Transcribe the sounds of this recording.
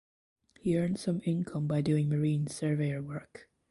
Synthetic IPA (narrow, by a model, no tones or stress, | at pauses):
hiɜ̃˞ndsʌ̃mɪ̃nkʰʌ̃mbaɪdʉːɪ̃ŋməɹĩːnsɜ˞veɪə˞wɜ˞k